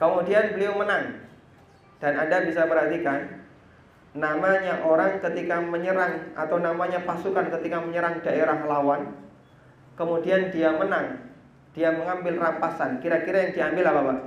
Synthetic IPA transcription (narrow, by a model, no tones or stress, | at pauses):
kəmudianbəliawmənaŋ | d̥anandabisabərɦat̪ikanː | amaɲaʔoɾaŋkət̪ikaməɲəɾaŋa̰t̪awnamaɲapasukankət̪ikaməɲəɾaŋdaʔeɾaɦlawan | kəmudiandiamənaŋ | d̥iaməŋambɪlrampasankiɾakiɾajaŋdiambɪlapaba